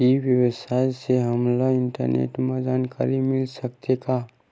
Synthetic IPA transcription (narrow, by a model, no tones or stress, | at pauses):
iʋjəwsajseɦɐmlaɪ̃ɳʈə̰ɾnḛːʈmed͡ʒaːnka̰ːɾimɪlsək̚t̪eka